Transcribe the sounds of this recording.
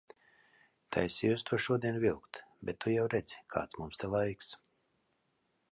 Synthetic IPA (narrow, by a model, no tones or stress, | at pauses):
t̪ʰa̰jsʲijust̪uɔʃuɔd̪iɛnvʲilˠkt̪bʲɛt̪ːujawɾɛd̪zi̥kʰa̰ːt̪smumst̪ɛlˠajks